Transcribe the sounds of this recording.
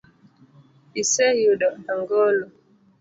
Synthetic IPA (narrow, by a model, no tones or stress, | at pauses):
isɛjuɗɔaŋɡɔlɔ